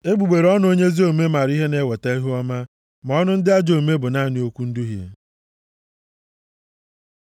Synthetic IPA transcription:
e˦ɡ͡bu˨ɡ͡be˨ɾɔ˦n˦o˦ɲe˦zi˦o˨me˦ma˨ɾi˦ɦe˦ne˦we˨ta˦e˦ɦu˦ɔ˦ma˦ | ma˨ɔ˦nʊ˦n̩˦dɪ˦a˦d͡ʒo˨me˦bʊ˨na˦˨ni˨o˦kʷu˦n̩˦du˦ɦjḛ˨

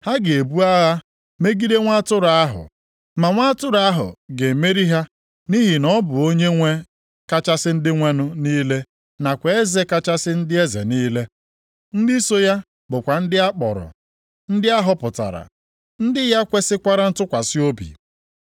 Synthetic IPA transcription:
ha˦ɡe˨bu˦a˦ɣa˦ | me˦ɡi˦de˦ŋʷa˦tʊ˦ɾa˨a˦ɦʊ̰˨ | ma˨ŋʷa˦tʊ˦ɾa˦ɦʊ̰˨ɡe˨me˦ɾi˦ɦa˦ | ni˦ɦi˨nɔ˦bʊ˨o˦ɲe˦ŋʷe˦ | ka˦t͡ʃa˦sɪ˦n̩˦dɪ˦ŋʷe˦nʊ˦niː˦le˦ | na˨kʷe˨e˦ze˦ka˦t͡ʃa˦sɪ˦n̩˦dɪ˦e˦zḛ˨niː˦le˦ | n̩˦dɪ˦so˦ja˦ | bʊ˨kʷa˨n̩˦dɪ˦a˦k͡pɔ̰˨ɾʊ̰˨ | n̩˦dɪ˦a˦ɦʊ˦pʊ˨ta̰˨ɾa̰˨ | n̩˦dɪ˦ja˦kʷe˦sɪ˦kʷa˦ɾa˦n̩˦tʊ˦kʷa˨sɪ˦o˦bḭ˨

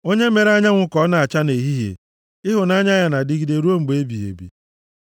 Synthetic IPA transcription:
o˦ɲe˦me˨ɾa˦ɲa˦ŋʷʊ˦kɔ˨˦na˨a˨t͡ʃa˦ne˨ɦi˦ɦḛ˨ | ɪ˦ɦʊ˨na˦ɲa˦ja˨na˨dɪ˦ɡi˨de˨ɾo˦ŋ͡m̩˨ɡ͡be˦bi˨ɦḛ˨bḭ˨

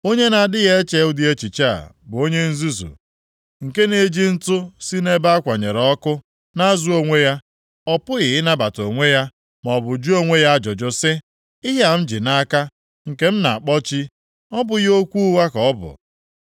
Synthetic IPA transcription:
o˦ɲe˦na˨dɪ˦ɣe˦t͡ʃe˦ʊ˦di˦e˦t͡ʃi˨t͡ʃa˦a̰˨bʊ˨o˦ɲe˦n̩˦zu˦zṵ˨ | ŋ̩˨ke˦ne˦d͡ʒi˦n̩˦tʊ˦si˦ne˦ba˦a˦kʷa˨ɲe˨ɾɔ˦kʊ˦ | na˦a˦zu˦o˦ŋʷe˦ja˦ | ɔ˦pʊ˦ɣɪ˨ɪ˦na˦ba˨to˨ŋʷe˦ja˦ | m˨ɔ˨bʊ˨d͡ʒu˦o˦ŋʷe˦ja˦a˦d͡ʒɔ˨d͡ʒo˦sɪ˦ | i˦ɦe˦a˨m̩˦d͡ʒi˨na˦ka˦ | ŋ̩˨ke˦m̩˦na˨a˨k͡pɔ˦t͡ʃi˦ | ɔ˦bʊ˨ɣo˦kʷu˦wa˦kɔ˨ɔ˦bʊ̰˨

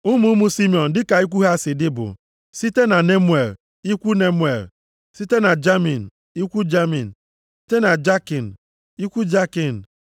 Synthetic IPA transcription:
ʊ˦mu˦mu˦si˦mi˨ɔ˨n̩˨dɪ˦ka˨i˦k̬ʷu˦ɦa˦sɪ˨dɪ˦bʊ̰˨ | si˦te˦na˨ne˦mwe˨l | i˦kʷu˦ne˦mwe˨l | si˦te˦na˨d͡ʒa˦mi˨n̩˨ | i˦kʷu˦d͡ʒa˦mḭ˨n̩˨ | si˦te˦na˨d͡ʒa˦ki˨n̩˨ | i˦kʷu˦d͡ʒa˦ki˨n̩˨

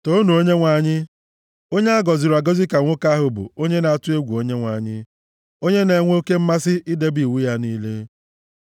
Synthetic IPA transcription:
to˦nu˨o˦ɲe˦ŋʷa˨ɲɪ˦ | o˦ɲe˦a˦ɡɔ˨zɪ˨ɾa˨ɡɔ˦zɪ˦ka˨ŋʷʊ˦ka˦a˦ɦʊ˨bʊ̰˨o˦ɲe˦na˨a˨tʊ˦e˦ɡʷu˨o˦ɲe˦ŋʷa˨ɲɪ̰˦ | o˦ɲe˦ne˨ŋʷ˦o˦ke˦m̩˦ma˦sɪ˦ʔi˦de˦bi˨wu˦ja˦niː˦le˦

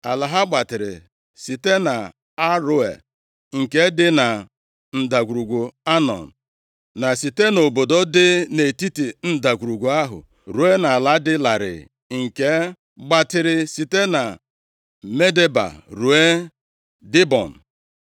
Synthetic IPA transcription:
a˨la˨ɦa˦ɡ͡ba˨tɪ˨ɾɪ̰˨ | si˨te˦na˨ | a˦ɾʊ˦ḛ˨ | ŋ̩˨ke˦dɪ˦na˨ | n̩˨da˨ɡʷu˨ɾu˨ɡʷu˨a˦nɔ̰˨n̩˨ | na˨si˨te˦no˨bo˨do˦dɪ˦ne˨ti˦ti˨n̩˦da˨ɡʷu˨ɾu˨ɡu˨a˦ɦʊ̰˨ | ɾu˨e˦na˨a˨la˨˦dɪ˦la˨ɾɪ̰˨ | ŋ̩˨ke˦ | ɡ͡ba˨tɪ˨ɾɪ˨si˨te˦na˨ | me˦de˦ba̰˨ɾu˨e˦ | dɪ˦bɔ̰˨n̩˨

